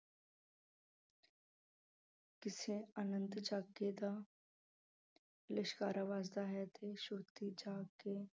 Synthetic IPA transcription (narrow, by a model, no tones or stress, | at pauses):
kɪsẽaːnə̃nt̪d͡ʒaːɡed̪aː | ləʃkaːɾaʋaːzd̪aɦɛt̪ʰeʃʊɾt̪id͡ʒaːɡe